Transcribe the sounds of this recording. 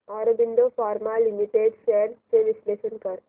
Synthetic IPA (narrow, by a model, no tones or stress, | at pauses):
aɾobind̪ofaɾmalimiʈeɖseɾseʋislesənkəɾ